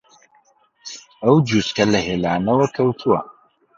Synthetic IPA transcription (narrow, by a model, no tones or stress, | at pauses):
ɐwd͡ʒuskɐlɐheːlaːnɐwɐkʰɐwt̪ʰuwɐ̰